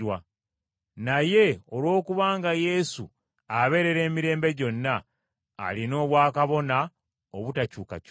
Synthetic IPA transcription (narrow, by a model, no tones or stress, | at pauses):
wa | naje̞o̞lwo̞ːkuβaːŋɡaje̞sṵ | aβe̞ɾe̞ɾe̞ːmiɾe̞ːmbe̞ɟo̞nːa̰ː | lino̞ːβwaːkaβo̞na | oβutacuːka̰c